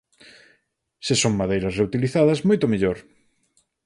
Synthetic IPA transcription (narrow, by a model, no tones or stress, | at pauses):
sɪsoŋmaðejɾɐsreut̪iliθaðɐsmojt̪omeʎoɾ